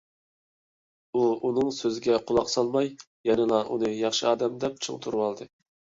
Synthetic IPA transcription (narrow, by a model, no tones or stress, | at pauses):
uunɨŋsøzɪɡʲɛqʰʊlˠɑqsɑlˠmɑj | jɛnɨlˠɑʔunɨjɑχʃɨɑːd̪ɛmd̪ɛp̚t͡ʃʰɨ̰ŋt̪ʰuɾwɑlˠd̪ɨ